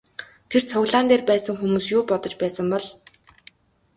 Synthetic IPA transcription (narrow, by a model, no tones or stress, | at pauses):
t̪ʰer̥t͡sʰʊɣɮaːnt̪eːrpæːsə̆ŋxumuːsjʊːpɔt̪ɞ̆t͡ɕpæːsə̆mpɔɮ